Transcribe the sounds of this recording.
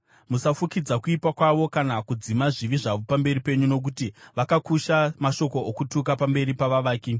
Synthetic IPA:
musafukid͡zakuipwakwaʋo̞kanakud͡zimaʐiʋiʐaʋo̞pambe̞ripe̞ɲuno̞k̬utiʋakakuʃamaʃo̞ko̞ːkutuk̬apambe̞ɾipaʋaʋaːke

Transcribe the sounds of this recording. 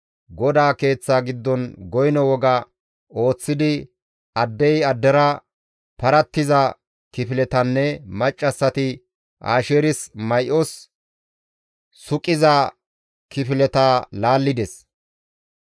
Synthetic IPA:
ɡɔd̪aːke̞ːt͡sːaːɡɪd̪ːɔnɡɔjnɔwɔɡɐ | o̞ːt͡sːɪd̪ɪ | ɐd̪ːɛjɐd̪ːɛɾɐ | pɐɾɐt̪ːɪzɐ | kɪfɪlɛt̪ɐnːɛmɐt͡ʃʼːɐsːɐt̪ɪ | ʔa̰ːʃeːɾɪsmɐjʔɔs | sʊkʼːɪzɐ | kɪfɪlɛt̪aːlaːlːɪd̪ɛs

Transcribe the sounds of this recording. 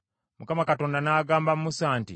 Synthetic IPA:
mukamakato̞ːndanaːɡaːmbamumusaːntḭ

